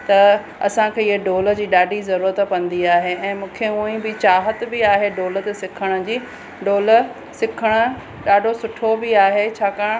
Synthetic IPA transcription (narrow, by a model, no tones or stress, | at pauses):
t̪ɐ | ɐsãkʰeːɪɦəɖoːlə̆d͡ʑiːɗaːɖʱizɐɾuːɾət̪pɐ̃nd̪iaːɦeɛ̃ːmũːkʰeũĩbɪt͡ɕaːɦət̪bɪaːɦeɖoːlət̪sɪkʰəɽ̃ʊ̆d͡ʑiː | ɖoːlə | sɪkʰəɽ̃ʊ̆ | ɗaːɖʱosʊʈʰobɪaːɦet͡ɕʰaːkaːɽ̃